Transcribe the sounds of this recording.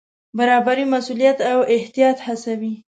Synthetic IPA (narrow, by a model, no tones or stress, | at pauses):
baɾɑbaɾimasulijat̪awɪht̪ijɑt̪hasawi